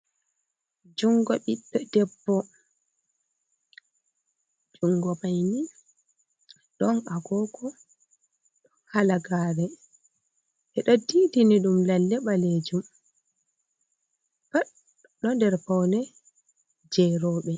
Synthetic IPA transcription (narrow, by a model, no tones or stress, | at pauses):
d͡ʒuŋɡɔɓiɓːɛdɛbːɔ | d͡ʒuŋɡɔɓajni | ɗɔnaɡɔkʰɔ | ɗɔhalaɡaːɾɛ | ʔɛɗɔdiːdiniɗumlalːɛɓaleːd͡ʒum | ba | ɗɔndɛɾpɔwnɛ | d͡ʒɛɾɔːɓɛ